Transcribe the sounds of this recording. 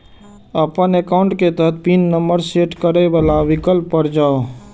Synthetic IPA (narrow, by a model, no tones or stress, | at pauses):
əpənekaʊɳʈket̪əɦət̪̚ʰpinːəmbəɾseʈkəɾəbalaʋikəlpːəɾd͡ʒaːo